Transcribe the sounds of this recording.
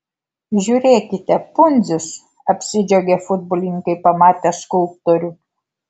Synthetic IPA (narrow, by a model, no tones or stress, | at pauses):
ʒʲuːɾʲeːkʲɪt̪ʲɛpʊnʲzʲʊs | ɐpʲsʲɪd͡ʒʲɛɡʲefʊd̪̚bɔlʲɪŋʲkɐɪpɐmɑːt̪ʲɛskʊlˠp̚t̪oɾʲʊ